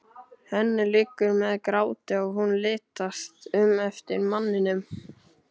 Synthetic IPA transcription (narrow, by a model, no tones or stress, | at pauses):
hɛnːɪlɪːkːʏɾmɛðkɾaːwt̪ɪaɣhunlɪːt̪ast̪ʏmɛft̪ɪɾmanːɪnʏm